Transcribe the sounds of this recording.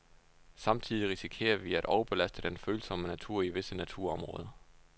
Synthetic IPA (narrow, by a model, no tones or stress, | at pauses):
sɑ̈mt͡sʰiðˠiʁisikʰe̝̰ːɐʋiæɾ̥ʔɒʊɐb̥e̝læsd̥əd̥enføːl̩sɒ̽mənæt͡sʰuɐ̰iʋe̝sənæt͡sʰuɐ̰ɒ̽mʁɔ̽ːðˠɐ